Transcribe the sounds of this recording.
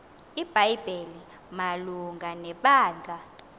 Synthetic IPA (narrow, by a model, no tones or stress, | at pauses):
ib̥ʱajb̥ʱeli | maluŋɡʱanɛɓaːnd͡ɮʱa